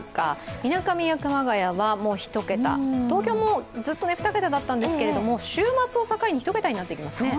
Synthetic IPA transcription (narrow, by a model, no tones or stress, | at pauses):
ka̰inakamʲijakɯ̟maɡajaβamo̞ːçi̥t̪o̞ke̞t̪a̰t̪o̞ːkʲo̞ːmo̞ːd͡zɨt̪ːo̞neɸɯ̟t̪ake̞t̪ad̪at̪ːãnd̪esɨ̥ke̞ɾe̞d̪o̞mo̞ɕɨːmat͡sɨo̞sakaiɲ̟içi̥t̪oke̞t̪aɲ̟inat̪ːe̞ikʲimasɨ̥ne